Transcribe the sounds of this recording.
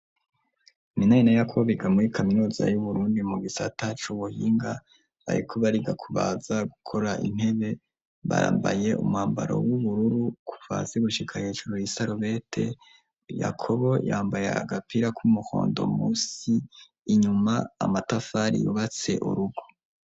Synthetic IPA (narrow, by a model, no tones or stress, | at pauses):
minainajakʰoβiɡamuɾikʰaminuza̰juβuɾuːndimuɡisatat͡ʃuβuhiːŋɡa | βa̰ɾikʰoβaɾiɡakʰuβazaɡukʰo̞ɾaʔḭn̥he̞βe̞ | βa̰ɾa̰ːmba̰je̞ʔṵmuhaːmba̰ɾo̰wuβuɾuɾukʰu̥va̰zeɡuʃikʰaheːʒuɾojisaɾoβe̞tʰe̞ | ja̰kʰo̞βo̞jaːmbaja̰a̰ɡapʰiɾakʰumuho̰ːndo̞̰musiː | ɲuma̰ːmatafaɾḭjṵβat͡se̞̰ʔṵɾuɡo̥